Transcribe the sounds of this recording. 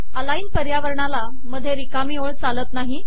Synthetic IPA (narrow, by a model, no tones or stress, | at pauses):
əlaiːnpəɾjaʋəɾɳala | məd̪ʱjeɾikamiːoɭt͡salət̪naɦi